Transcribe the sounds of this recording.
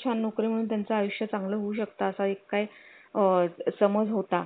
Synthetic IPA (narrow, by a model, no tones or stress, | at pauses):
t͡ɕʰanːokɾiməɽ̤̃uːnt̪jant͡saajuɕjat͡sãŋɡləɦouɕəkt̪aəsaekːajəsəməd͡zɦot̪a